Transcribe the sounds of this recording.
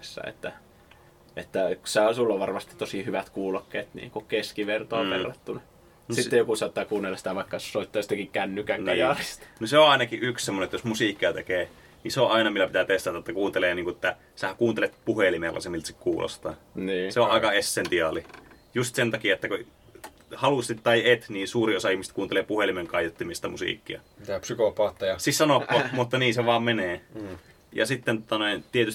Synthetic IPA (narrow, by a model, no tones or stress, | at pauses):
sːæ̰ḛt̪ːæ | et̪ːæksɑosulːoʋʋɑrmɑst̪it̪t̪osihyʋæt̪kuːlokːḛːt̪nḭːŋkukeskiʋert̪ɑoʋʋerːɑt̪ːuni | sit̪ejokusɑˑt̪ːɑːkuːnːelːɑsi̥t̪æʋɑˑikːɑsoit̪ːɑːjsit̪ækikkænːykæŋɑjɑrist̪ɑnoseoʔɑˑinɑkiʔʔykssemːonet̪ːjosmusiˑkːˑiɑt̪ekeː | niseõʔɑˑinɑmilːæpit̪æt̪est̪ɑt̪ɑt̪ːækuːnt̪eleːniːŋkuʔet̪ːæ | seækuːnt̪elet̪̚puhelimelʔɑ̰semːilt̪sikkuːlo̰st̪ɑniːseoʔʔɑˑekɑesːent̪iɑlijust̪sent̪ɑkiɑet̪ːæku | hɑlust̪it̪t̪ɑiet̪niːnsuːriosɑihmise̥t̪̚kuːnt̪elepuhelimeŋkɑˑijot̪ːimist̪ɑmusḭˑkːiɑ | t̪æpsykopɑːt̪ːɑjɑsissɑnopːomut̪ːɑniːnseʋɑːmmeneː | jɑ̰sit̪ːent̪ŏt̪ɑnoˑint̪iet̪ys